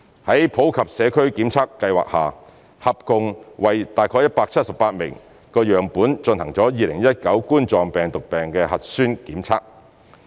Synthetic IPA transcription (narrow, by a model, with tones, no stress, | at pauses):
hɐ˨˥jpʰo˨˥wkʰɐ˨p̚sɛː˨˧kʰɵ˥ɥkiː˨˥mt͡sʰaː˥kːɐ˧jwa̰ː˨k̚haː˨ | hɐ˨p̚kʊ˧ŋwɐ˨jt̪aː˨˩jkʰɔː˧˥jɐ˥t̚paː˧k̚t͡sʰɐ˥t̚sɐ˨pːaː˧t̚mɪ̰˨˩ŋ | kɔː˧jœː˨˩ŋpuː˨˥nt͡ʃɵ˧nhɐ˨˩ŋt͡sɔː˨˥jiː˨˧lɪ˨˩ŋjɐ˥t̚kɐ˨˥wkuː˥nt͡sɔː˨˧ŋpɛː˨˩ŋt̪ʊ˨k̚pɛː˨ŋkɛː˧hɐ˨t̚syː˥nkiː˨˥mt͡sʰaː˥k̚